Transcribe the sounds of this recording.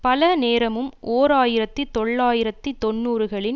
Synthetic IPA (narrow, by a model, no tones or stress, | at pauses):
pɐlɐneːɾɐmɯmʔoːɾaːjɪɾɐt̪ːɯt̪ɔɭːaːjɪɾɐt̪ːɯt̪ɔnːuːɾɯɣɐɭɪn